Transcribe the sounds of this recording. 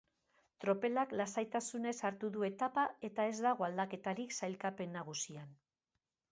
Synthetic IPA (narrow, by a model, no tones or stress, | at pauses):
t̪ɾo̞pe̞laklasajt̪asune̞saɾt̪uðue̞t̪apae̞t̪ae̞zd̪aɣ̞o̞ald̪ake̞t̪aɾiksajlkape̞nːaɣ̞usian